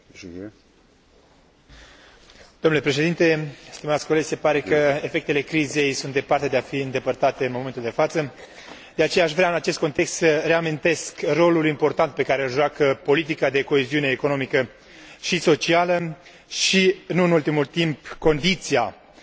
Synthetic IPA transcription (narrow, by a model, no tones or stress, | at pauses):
d̪omnule̞pɾe̞ʃ̬e̞d̪int̪e̞st̪imat̪sʲko̞led͡ʒse̞paɾe̞kəefe̞k̚t̪e̞le̞kɾize̞jsunt̪d̪e̞part̪e̞d̪eafiɨnd̪e̞pərt̪at̪e̞ɨnmo̞ment̪uld̪e̞fat̪sə | d̪eat͡ʃe̞jaːʃvɾeaɨnat͡ʃe̞st̪̚ko̞nt̪e̞kst̪səre̞amint̪e̞skro̞lulimpo̞rt̪ant̪̚pe̞kaɾe̞ɨlʒoakəpo̞lit̪̬ikad̪e̞ko̞eziune̞ːko̞no̞mikə | ʃiso̞t͡ʃialə | ʃiɨnuɨnult̪imult̪impko̞nd̪it̪sia